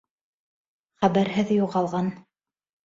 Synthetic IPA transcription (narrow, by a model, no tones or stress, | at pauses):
χæβæɾɦɘðjuʁɑlˠʁɑn